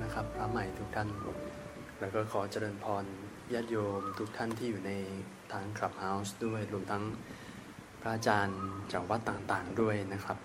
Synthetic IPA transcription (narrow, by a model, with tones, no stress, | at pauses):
na˦˥kʰɾa˦˥pːʰɾa˦˥ma˨˩jt̪ʰu˦˥k̚t̪ʰa˥˩n | ɾɛː˦˥wkɔː˥˩kʰɔː˩˦t͡ɕa˧ɾɤː˧npʰɔː˧n | jaː˥˩t̪̚joː˧mt̪ʰu˦˥k̚t̪ʰa˥˩nt̪ʰiː˥˩juː˨˩na˧j | t̪ʰaː˧˥ŋkʰɾla˨˩p̚ha˦˥wsdu˥˩əjɾu˧əmt̪ʰa˦˥ŋ | pʰɾa˦˥ʔaː˧t͡ɕaː˧nt͡ɕʰa˨˩˦wa˦˥t̪ːaː˨˩ŋt̪aː˨˩ŋdu˥˩əjna˦˥kʰɾa˦˥p̚